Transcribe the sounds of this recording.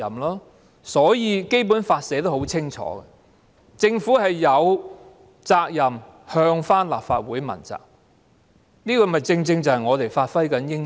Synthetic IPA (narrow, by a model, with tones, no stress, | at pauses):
ɐ˨mlɔː˥ | sɔː˨˥jiː˨˧ke˥jp̬uː˨˥nfaː˧t̚sɛː˨˥t̪̬o˥ho˨˥wt͡sʰɪ˥ŋt͡ʃʰɔ̰ː˨˥ɡɛ̰˧ | t͡sɪ˧ŋfuː˨˥hɐ˨jːɐ˨˧w | t͡saː˧k̚jɐ˨m | hœː˧ŋfaː˥nla̰ː˨p̚faː˧t̚wuː˨˥jmɐ̰˨˩nt͡sa̰ː˨k̚ | niː˥kɔː˧mɐ˨˩jt͡sɪ˧ŋt͡sɪ˧ŋt͡sɐ˨˩whɐ˨jŋɔː˨˧t̪e˨jfaː˧t̚fɐ˥jkɐ˨˥njɪ˥ŋ